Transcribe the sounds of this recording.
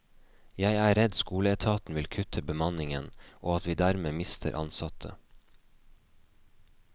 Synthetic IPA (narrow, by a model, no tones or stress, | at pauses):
jæɪæːɾɛd̪skuːləɛt̪ʰɑːt̪n̩ʋɪlkʰʉt̪ʰəbəmɑnɪŋənʔoːɑt̪ʋiːd̪æɾmeːmɪst̪ʰə̰ɾʔɑ̰nsɑt̪ʰə̰